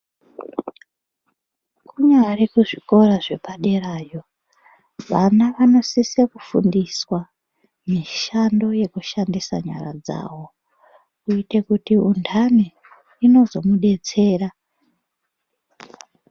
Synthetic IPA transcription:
kʰuɲaɾekuʐiko̞ɾaʐe̞paɗe̞raːjo̞ | ʋanaʋano̞sisekufṵndiswa | miʃando̞je̞kuʃandisa̰ɲa̰ɾa̰d͡za̰ːwo̞ | uite̞kutiundʰaniː | no̞zo̞muɗe̞t͡se̞ːra

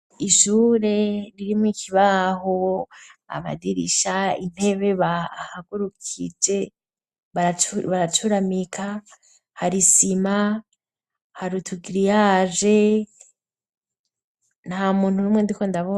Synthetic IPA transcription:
iʃuɾe̞ɾiɾimwiːkʰiβaho | a̰βa̰diɾḭʃain̥he̞βe̞βahaɡuɾukʰḭd͡ʒe̞ | βaβaɾat͡ʃuɾamikʰa | haɾisima | haɾutʰuɡiɾijaːʒe̞ | namuːn̥hunuːmwendikondaβo

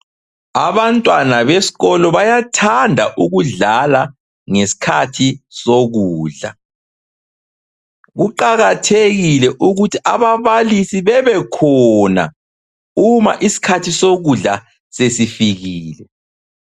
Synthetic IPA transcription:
aβantʼwanaβesi̥ɣɔlɔβajatʰandʱa̰ʔuɣuɮala | ŋesi̥kʰatʰisoɣuːɮa̰ | ɣuǃaɣatʰeɣilɛʔuɣutʰiʔaβaβalisiβɛβɛkʰɔna̰ | uma̰ʔisi̥kʰatʰisoɣuɮa | sesifiɣiːlɛ

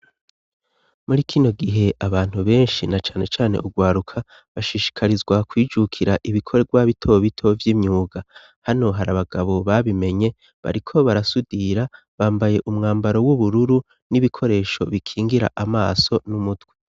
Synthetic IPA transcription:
muɾikʰino̞ɡiɦe̞ʔaβaːn̥huβe̞ːnʃinat͡ʃḁːne̞t͡ʃaːne̞̰ʔuɡwaːɾukʰa | βaʃiʃi̥kʰaɾizɡwakwiːd͡ʒukʰiɾaʔiβikʰo̞ɾeɡɡwaβitʰo̞βitʰo̞vjiːmɲuːɡa | hano̞ɦaɾaβaɡ̥aβo̞βaβime̞ɲe̞ | βa̰ɾikʰo̞βaɾasudiɾa | βaːmbaje̞ʔumŋaːmbaɾo̞wuβuɾuɾu | niβikʰo̞ɾe̞ːʃo̞̰βikʰiːŋɡiɾa̰ʔamaːso̞numutɡwe

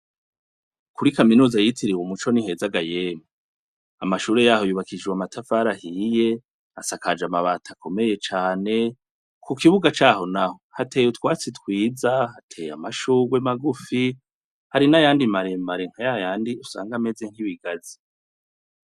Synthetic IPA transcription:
kuɾikaminuːzajitiɾiwomut͡ʃonihe̞ːzaɡajeːma | amaʃuːɾe̞jaːho̞juβakid͡ʒewamatʰafaːɾahije̞ | asakad͡ʒamaβaːtʰakʰo̞me̞je̞t͡ʃaːne̞ | kʰukiβuɡat͡ʃaːho̞naho̞hatʰeːjutwaːt͡sitwiːzahatʰe̞ja̰maʃuːɡwemaɡufi | haɾinajaːndimaɾemaɾeŋ̥hajajaːndiusa̰ːŋɡameze̞ŋ̥hiβiɡazi

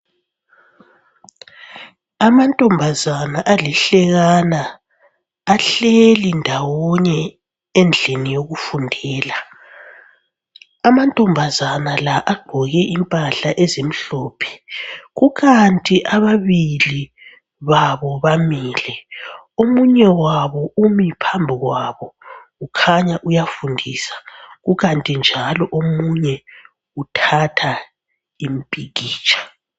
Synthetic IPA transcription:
amantʼɔmbʱazanaʔalɛɬɛɣanaː | ɬelindʱawɔɲɛ | end͡ɮʱinijoɣufundʱɛːla | amantʼɔmbʱazanalaʔaɡ͡ǃ̥ʱɔɣɛʔimpʼaɬaʔezem̩ɬɔːpʰɛ̥ɣuɣantʼiʔaβaβili | βaβɔβamiːlɛomuɲɛwaβɔʔumipʰambʱiɣwaβɔɣukʰaɲaʔujafundʱiːsḁɣuɣantʼind͡ʒʱalɔʔomuɲɛ | utʰatʰa | imipʼiɣiːt͡ʃʼḁ

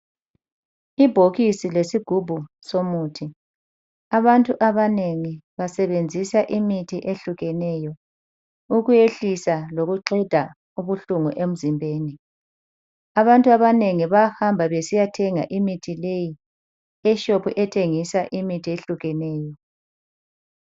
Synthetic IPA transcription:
ib̥ʱoɣisilesiɡ̥ʱubʱu | somutʰi | aβantʼuʔaβaneŋiβasɛβend͡zʱisaʔimitʰiʔeɬuɣɛnɛjɔ | uɣujeɬisaloɣuǃɛd̥ʱa | uβuɬuŋuʔem̩zimbʱeːni | aβantʼuaβaneŋiβahambʱaβesijatʰɛŋa̰ʔimitʰileji | ɛʃopʰṵʔɛtʰeŋisaʔimitʰieɬuɣɛnɛːjɔ

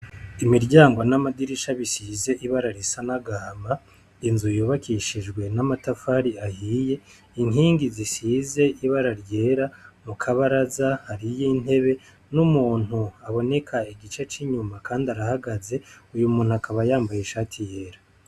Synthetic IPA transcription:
imiɾɟaːŋɡwonamadiɾiʃaβisize̞ʔiβaɾaɾisanaɡama | inzujuβakʰiʃid͡ʒɡwe̞namatafaɾiahiːje̞ | iŋɦiːŋɡizisize̞ʔiβaɾaɾje̞ːɾamukʰaβaɾazahaɾijin̥he̞βe̞ | numuːn̥huaβo̞ne̞kʰaiɡit͡ʃe̞t͡ʃiɲumakaːndaɾahaɡaze̞ujumuːnhuakaβajaːmbajiʃaːtʰije̞ːɾa

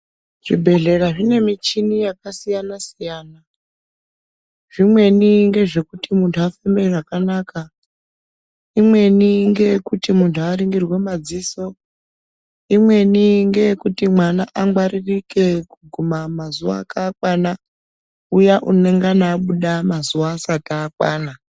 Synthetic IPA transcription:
ʐ̥ibʱe̞ɮe̞ɾaʐine̞mit͡ʃinijakasijanasijaːna | ʐ̥imwe̞niŋɡe̞ʐe̞kutimuntʰuafambeʐakanaːka | imwe̞niŋɡe̞kutimuntʰuaɾiŋɡirwemad͡ziːso̞ | imwe̞niŋɡe̞kutimwanaʔaŋɡwaririke̞kuɡʱumamazuʋa̰ːkak̚wana | ujaʔune̞ŋɡanaːɓuɗamazuʋaːsataːkwa̰ːna

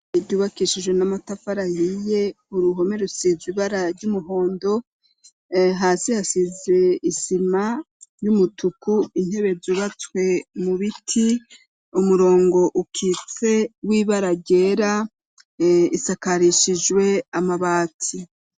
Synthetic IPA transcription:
iɾɟuβakiʃiʒwenamatafaɾahije̞ | uɾuɦo̞meɾusizwiβaɾaɾɟumuɦo̞ːndo̞ | ɦaːsihasize̞isima | ɾjumutukuin̥he̞βe̞zuβat͡swe̞muβitʰi | umuɾo̞ːŋɡo̞ʔukʰit͡se̞wiβaɾaɟe̞ːɾa | isakaɾiʃiʒwe̞amaβaːtʰi

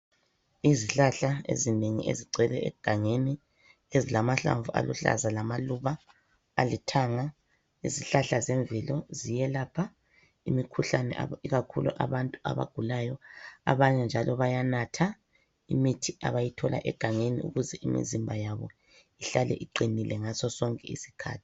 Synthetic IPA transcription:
iziɬaɬaḛzineŋḭʔḛziɡ͡ǀʱɛlɛɛɡ̥ʱaŋeni | ezilamaɬa̰ɱvuʔa̰lṵɬa̰zalamaluβa̰ː | litʰaŋa | iziɬaɬazɛɱvilɔzijɛlaːpʰa | imikʰuɬanɛ̰ʔiɣakʰuluʔaβantʼua̰βa̰ɡ̥ʱulajɔa̰βaɲɛnd͡ʒʱalɔβajanatʰa | imitʰia̰βajitʰɔla̰ʔɛɡ̥ʱaŋenḭṵɣuzɛimḭzimbʱajaβɔ̰ | iɬalɛ̰ʔiǃinilɛŋasɔsɔŋkʼɛḭsi̥kʰa̰ːtʰi̥

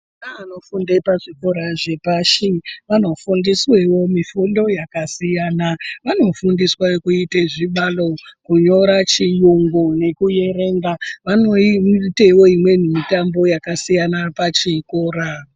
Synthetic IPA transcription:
naːno̞fundepaʐikoɾaʐe̞paːʃiʋano̞fundiswe̞wo̞mifundo̞jakasijaːnaʋano̞fundiswakuiteʐiɓalo̞kuɲo̞ɾat͡ʃijuŋɡone̞kuje̞ɾe̞ŋɡaʋano̞ite̞wo̞imwe̞nimitambo̞jakasijanapat͡ʃikoːɾa

